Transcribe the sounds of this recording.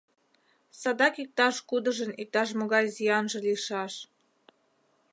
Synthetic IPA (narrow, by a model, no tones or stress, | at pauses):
sɑd̪ɑkik̚t̪ɑʃkud̪əʒənik̚t̪ɑʃ̬moɣɑjzijɑnʒĕliʃɑʃ